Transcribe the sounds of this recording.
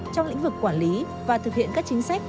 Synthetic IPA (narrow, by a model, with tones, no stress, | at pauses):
t͡ɕɔ˧wŋ͡mlḭ̟˧˥vɨ˨˩kːwaː˧˩nli˨˦ | vaː˨˩t̪ʰɨ˨˩k̚hḭ˧˨ənkaː˦˥k̚t͡ɕi˨˦ŋ̟sa˦˥k̟̚